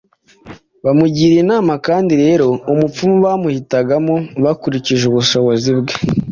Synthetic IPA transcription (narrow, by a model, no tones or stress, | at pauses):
βamuɟiːɾinaːmakaːndiɾe̞ːɾo̞umup͡fumuβaːmuhitaɡamoβakuɾiciʒeβuʃo̞βozibɡe